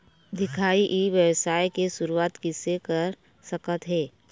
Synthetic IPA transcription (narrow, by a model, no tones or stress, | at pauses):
d̪ɪkʰaːiʔiʋjəwsaːjkesʊɾuaːt̪kɪsekəɾ | səkət̪ɦɛː